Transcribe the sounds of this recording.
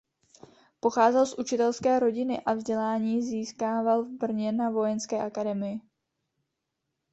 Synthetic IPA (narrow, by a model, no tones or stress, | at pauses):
po̞xaːzɛlsʔut͡ʃɪt̪ɛlskɛːɾo̞ɟɪnɪʔavzɟɛlaːɲiːziːskaːvalvbr̩ɲɛnavo̞jɛnskɛːʔakadɛmɪjɪ